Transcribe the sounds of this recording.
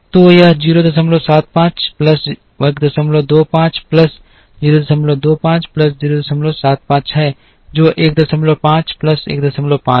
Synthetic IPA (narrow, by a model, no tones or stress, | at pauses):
t̪oːjad͡ʒiːɾoːd̪ɐs̬əmloːsaːt̪̚pãːt͡ʃpləs | ɐkd̪ɐsəmlod̪oːpãːt͡ʃpləs | d͡ʒiːɾod̪ɐsəmlod̪oːpãːt͡ʃplɐsd͡ʒiːɾoːd̪ɐsəmloːsaːt̪̚pãːt͡ʃɦɛ | d͡ʒoːʔeːk̚d̪ɐsəmlopãːt͡ʃplɐsḛːk̚d̪ɐsəmloːpãː